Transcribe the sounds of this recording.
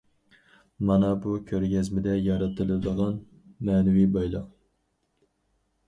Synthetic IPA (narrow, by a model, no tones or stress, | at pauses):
mɑnɑbukʲʰøɾɡʲɛzmɪd̪ɛjɑɾɨt̪ʰɨlˠɨd̪əʁɑn | mɛːnɪwibɑjlˠɑq